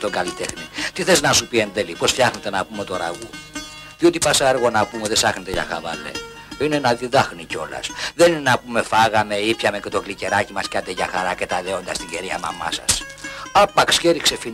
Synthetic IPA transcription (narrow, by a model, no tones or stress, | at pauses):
t̪oŋɡɐlit̪e̞xnit̪iθeznɐsupie̞nðelipo̞sft̪çɐxnet̪e̞nɐpumet̪oɾɐ̰ɣu | ðio̞t̪ipɐsɐɐɾɣo̞nɐpumeðesɐxnet̪eʝɐ̰xɐ̰vɐ̰le̞̰ | ine̞nɐðiðɐxnico̞̰lɐ̰sðeninenɐpume̞fɐɣɐme̞ipçɐmecet̪o̞klice̞ɾɐcimɐscɐt̪eʝɐxɐɾɐcet̪ɐðeo̞nd̪ɐst̪iɟeɾiɐ̰mɐ̰mɐ̰sɐ̰s | ɐpɐksçeɾikse̞fi